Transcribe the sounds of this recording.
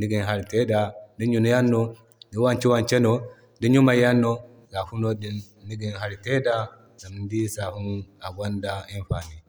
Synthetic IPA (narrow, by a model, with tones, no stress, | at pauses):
ni˦ɡi˨nɦa˦ɾi˨te˦da˨di˦nju˨n˦ja˦nːo˦ | di˦wa˦nt͡ʃi˦wa˦nt͡ʃe˦no˦ | di˦nju˦ma˨ja˦nːo˦ | ɡa˨fu˦no˦di˦nː | i˦ɡi˨nɦa˦ɾi˨te˦da˦ | za˨m˨n˦di˦sa˨hu˦na˨ɡʷa˦nda˦i˦nɸa˨ni˨